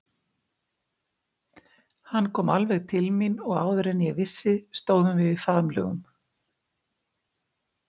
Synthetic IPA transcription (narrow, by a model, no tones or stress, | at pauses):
hanːkʰɔːmalvɛɣt̪ʰɪlminɔɣa̰ːwðʏɾɛnːjɛɣvɪsːɪst̪oːwðʏmvɪðifaːðmlœ̰ːɣʏ̰m